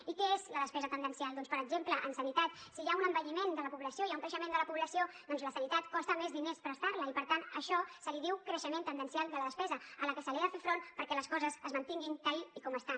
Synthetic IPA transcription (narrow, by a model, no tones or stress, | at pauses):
ikɛezləðəspɛzət̪ənd̪ənsialˠd̪ɔnspəɾəɡzempləʔənsənit̪at̪sijaunəmbəʎimend̪ələpuβləsioijauŋkɾəʃəmend̪ələpuβləsiod̪ɔnzləsənit̪at̪kɔst̪əmezðinespɾəst̪aɾləipəɾt̪anəʃɔsəliðiwkɾəʃəmẽnt̪ənənsialˠd̪ələðəspɛzəələkəsəlɛðəfefɾonpəɾkɛləskɔzəzəzmənt̪iŋɡint̪əiikɔməst̪a